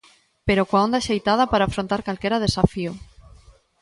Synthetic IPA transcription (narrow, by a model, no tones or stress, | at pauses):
peɾokwaond̪aʃejt̪að̞apaɾaːfɾont̪aɾkalkeɾað̞esafiu